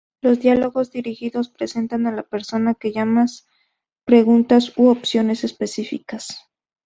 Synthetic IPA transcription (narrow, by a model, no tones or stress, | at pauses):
lo̞zd̪jalo̞ɣo̞zd̪iɾixiðo̞spɾe̞se̞nt̪analape̞ɾso̞nake̞ʝamas | pɾe̞ɣunt̪asoopsjo̞ne̞se̞spe̞sifikas